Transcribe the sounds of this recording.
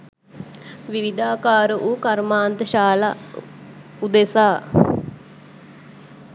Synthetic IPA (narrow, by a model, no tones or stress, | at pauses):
ʋɪʋɪd̪aːkaːɾʔukɐɾmaːnt̪əʃaːla̰ | ud̪esaː